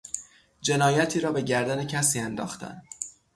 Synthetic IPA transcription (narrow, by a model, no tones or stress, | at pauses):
d͡ʒe̞nɒːjæt̪ʰiːɾɒːbe̞ɟæɾd̪æne̞cʰæsiːænd̪ɒ̰ːxt̪ʰæ̰n